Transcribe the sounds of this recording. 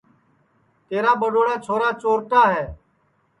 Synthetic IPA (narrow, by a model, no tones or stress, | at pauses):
t̪eːɾaːɓəɗoːɽaːt͡ʃʰoːɾaːt͡ʃoːɾʈ̪aːɦɛː